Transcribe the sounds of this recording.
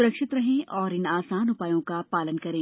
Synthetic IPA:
ʊɾəkʃɪt̪ɾɐɦẽʔɔːɾɪnaːsaːnʊpaːjõkapaːlənkɐɾẽː

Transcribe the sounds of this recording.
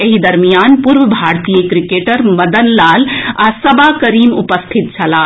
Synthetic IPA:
eɦid̪əɾmijanpuɾʋəbʱaɾt̪ijəkɾikeʈəɾməd̪ənlalasəbakəɾimupəst̪ʰit̪̚t͡ʃʰəla

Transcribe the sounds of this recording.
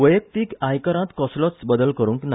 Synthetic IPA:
ʋəjək̚t̪iːkajkəɾãt̪kɔslɔsbəd̪əlkəɾũŋkna

